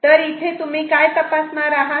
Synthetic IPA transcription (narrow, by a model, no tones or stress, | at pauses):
t̪əɾit̪ʰet̪um̤ikajt̪əpasmaɾaɦa